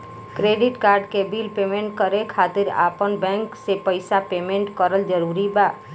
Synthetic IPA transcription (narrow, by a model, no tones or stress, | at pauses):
kɾeɖɪʈkaɾɖkebilpemẽɳʈkəɾekʰat̪iɾa̰pənbɛ̃ŋksepəɪsapemẽɳʈkəɾəld͡ʒəɾuɾiba